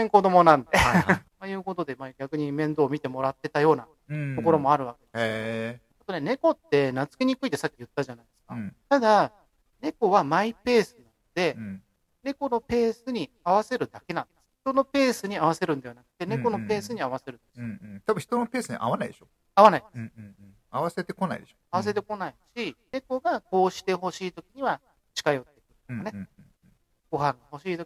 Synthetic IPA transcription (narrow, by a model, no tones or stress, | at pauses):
ẽŋko̞d̪o̞mo̞nãnd̪e̞a | ajɯ̟ːko̞t̪o̞d̪e̞maɡʲakɯ̟ɲ̟imẽ̞nd̪o̞ːmʲit̪e̞mo̞ɾat̪ːe̞t̪ajo̞ːna | t̪o̞ko̞ɾo̞moaɾɯ̟βakʲe̞d̪es | at̪o̞ne̞ne̞ko̞t̪ːe̞nat͡sɨ̥ke̞ɲ̟ikɯ̟it̪e̞sakʲijɯ̟t̪ːaʑanaid̪esɨ̥kat̪ad̪a | ne̞ko̞βamaipe̞ːsɨnãnod̪̥e̞ | ne̞ko̞no̞pe̞ːsɨɲ̟i | aβ̞ase̞ɾɯ̟d̪ake̞nãnd̥̪̚esɨ̥çi̥t̪o̞no̞pe̞ːsɨɲ̟iaβ̞ase̞ɾɯ̟̃nd̪eβanakɯ̟̥t̪e̞neko̞no̞pe̞ːsɨɲ̟iaβase̞ɾɯ̟̃nd̥̪esɨt̪abɯ̃çi̥t̪o̞nope̞ːsɨɲḭʔa̰βanaid̪eɕo | aβanaid̪esɨ | aβase̞t̪e̞ko̞naḭd̪eɕoaβas̬e̞t̪e̞ko̞naiɕine̞ko̞ɡako̞ːɕi̥t̪e̞ɦo̞ɕiːt̪o̞kʲiɲ̟iβa | t͡ɕi̥kajo̞t̪ːe̞kɯ̟̥kane̞ | ɡ̥o̞ɦãŋɡaho̞ɕiːt̪o